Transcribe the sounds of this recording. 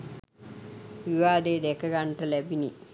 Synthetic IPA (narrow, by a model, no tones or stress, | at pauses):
ʋiʋaːd̪eːd̪ɛkɐɡɐɳʈɐlebini